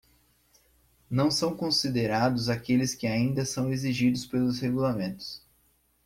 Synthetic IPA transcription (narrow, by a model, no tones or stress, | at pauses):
nɐ̃w̃sɐ̃w̃kõsid̪eɾad̪ʊzakelɪskɪaĩnd̪ɐsɐ̃w̃eziʒid̪ʊspelʊzheɡulamẽnt̪ʊ̥s